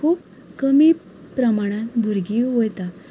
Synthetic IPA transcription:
kʰuːp̚ | kəmiː | pɾəmaɽ̃ãt̪bʱuɾɡiːɦojt̪a

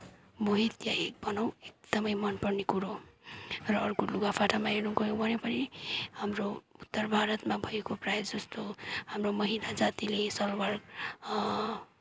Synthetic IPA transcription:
moɦit̪jaek̚bʌnaw̃ek̚d̪̥ʌmʌjmʌnpʌrnekuɾo | rʌːrkoluɡapʰaʈʰamaenũɡʌjõbʱʌnepʌnihamrout̪ːʌrbʱaɾʌt̪mabʱʌekoprajd͡zʌst̪ohamromʌɦinad͡zat̪ilesʌlwaɾɡ

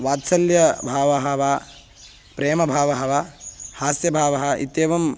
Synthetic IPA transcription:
ʋaːt̪sɐljɐbʱaːʋɐɦɐʋaː | pɾeːmɐbʱaːʋɐɦɐʋaːhaːsjɐbʱaːʋɐɦɐ̆ḭt̪ːeːʋɐm

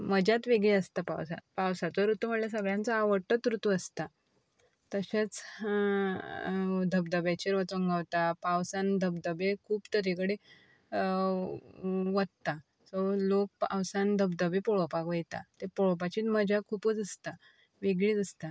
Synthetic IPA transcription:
məd͡ʑjat̪ʋeɡɭiəst̪apa̰wsa̰pawsat͡sɔɾut̪uməljas̬əɡɭjãnt͡səaʋəʈət̪ɾut̪uəst̪a | t̪əɕet͡s | d̪ʱəbd̪əbat͡ɕeɾʋət͡səŋɡawt̪apawsand̪ʱəbd̪əbekʰuːpt̪əɾikəɽe | ʋəd̪̚t̪a | solok̚pa̰wsand̪ʱəbd̪əbepɔɭopakʋəjt̪a̰t̪epoɭop̬at͡ɕiːt̪məd͡ʑakʰuːpəd͡zəst̪a | ʋeɡɭiːd͡zəst̪a

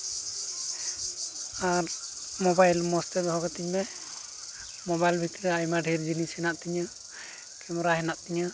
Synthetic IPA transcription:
aɾ | mɔbajlmɔst̪ɛd̪ɦɔɡɔt̪iɲmɛ | mɔbajlbʱit̪ɾɛajmaɖʱiɾd͡ʒinishɛnaʔt̪iɲə | kɛmɔɾaɦɛnaʔt̪iɲə

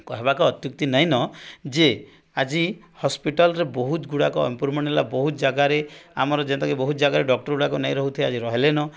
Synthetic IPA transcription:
kɔɦebakɔɔt̪juk̚t̪inaɦĩnɔd͡ʒe | ad͡ʒi | hɔspiʈɔlɾebɔɦut̪ɡuɽakɔɔ̰mpuɾmɔnelabɔɦut̪d͡ʒaɡaɾeamɔɾɔd͡ʒenɔt̪ɔkibɔɦut̪ɔd͡ʒaɡaɾeɖɔk̚ʈɔɾɡuɽakɔnaj̃ɾɔɦut̪ʰiead͡ʒiɾɔɦelenɔ

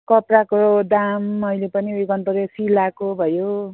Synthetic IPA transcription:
kʌprakood̪amʌjlepʌniwekʌnt̪ʌɾesilakobʱʌjo

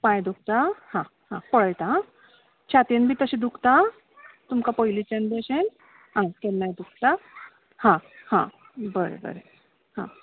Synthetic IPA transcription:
pãjd̪uk̚ʰt̪ahã | hãpəɭəjt̪a | t͡ɕʰat̪enbʱiːt̪əɕid̪ukʰt̪a | t̪umkapɔjlit͡ɕenb̪eɕen | ɦãjkelnːajd̪uk̚ʰt̪a | hãhã | bəɾḛbə̰ɾe | hã̰

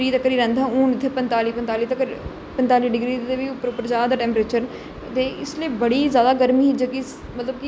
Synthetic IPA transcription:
ɾiːt̪əkɾiːɾɛ̃nd̪ãːũːnɪt̪ʰːeːpənt̪aːliːpənt̪aːliːt̪əkɾ | pənt̪aːliːɖɪɡɾiːt̪ʰeːʋiːʊpːəɾʊpːəɾd͡ʒaːd̪aːʈɛ̃ːmpɾeːt͡ʃəɾ | t̪eːɪsleːbəɽiːzjaːd̪aːɡəɾmiːɦɪd͡ʒəkɪ | mət̪ləb̚kɪ

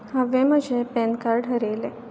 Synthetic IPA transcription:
həʋeməd͡ʑʱepɛnkaɾɖɦəɾele

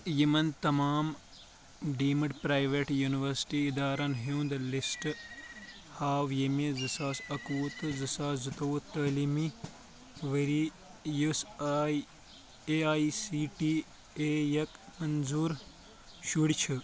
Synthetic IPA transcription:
jimɐnt̪ɐmaːm | ɖiːmɨɖpɾaːjʋeʈjuniʋɐɾsi̥ʈiːd̪aːɾɐnɦiwnd̪lisʈ | haːwjemizɨsaːsɐkuːt̪ɨzɨsaːzɨt̪ɐwut̪ːɐːlimi | ʋɐɾi | jus | eaːisiːʈi | eːjɐkmɐnzuːɾ | ʃuɽt͡ʃʰɨ

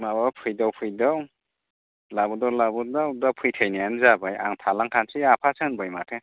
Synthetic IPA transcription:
mabapʰɯjdawpʰɯjdaw | labudawlabudawdawpʰɯjtʰɯjnijanzabaja̰ŋtʰalaŋkʰansiapʰasɯnbɯjmatʰe

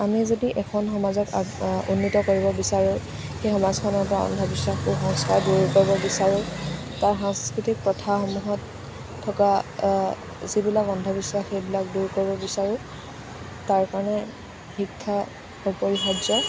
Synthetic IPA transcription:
amizodiʔɛkʰɔnxɔmazɔkunːitɔkoɹibɔbisaɹʊ | xejxɔmazkʰɔnɔɹpɔɹaɔ̰ndʱɔbisaxuxɔŋskaɹduɹkoɹibɔbisaɹʊ | taɹxãŋskɹitik̚pɹɔtʰaxomuɦɔtʰː | ɔka | zibilakɔndʱɔbisaxejbilakduɹkoɹibɔbisaɹʊ̃ | taɹkaɹɔnɛ | xikʰːa | upoɹixɔzɔ

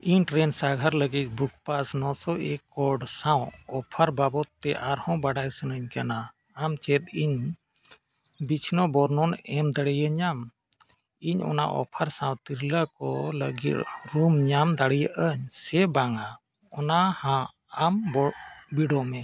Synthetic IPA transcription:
iɲʈɾɛnsaɡʱaɾləɡit̪̚buk̚pasnɔsɔʔekːɔɖsãwɔpʰaɾbabɔt̪ːɛʔaɾhɔ̃baɽajsənəɲkanaː | mt͡ʃɛt̪̚iɲ | bit͡ʃʰnɔbɔɾnɔnɛmd̪aɽɛjəɲam | iɲɔ̰na̰ʔɔ̰pʰaɾsãw̃t̪iɾlakɔlə̰ɡḭt̪ɾumɲamd̪aɽijaʔəɲsɛbaŋa | ɔnahãː | mbɔbiɖɔmɛ

